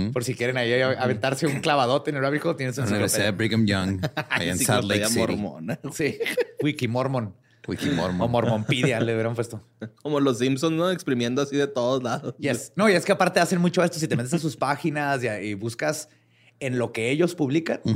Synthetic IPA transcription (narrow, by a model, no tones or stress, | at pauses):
po̞ɾsikjeɾenaiaβent̪aɾse̞uŋklaβað̞o̞t̪eneɾaβixot̪jenes̬unnuniβeɾsiðaðebɾiɣamjãŋa̰jiḛnsaleamo̰ɾmo̰nasiwikimoɾmon | wḭkimo̰ɾmoomoɾmõmpiðjaleβɾaumfwest̪o | komolos̬ims̬onznoekspɾimjend̪oasiðet̪oðozlaðosesno̞ie̞skeapaɾt̪e̞ase̞nmut͡ʃo̞e̞st̪o̞s̬it̪emenesas̬uspaxinasiaiβuskas | e̞nlo̞ke̞e̞ʝo̞spuβlika̰n